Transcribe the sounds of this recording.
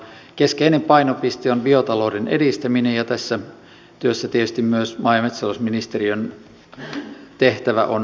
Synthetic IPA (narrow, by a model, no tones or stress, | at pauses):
keskeinempɑinopist̪ionbiot̪ɑloːdinḛdist̪æminejɑt̪æsːæ | t̪yøsːæt̪iet̪yst̪immyøsmɑˑijɑmet̪sɑlosminist̪eriøn | t̪eht̪æʋæ̰ʔon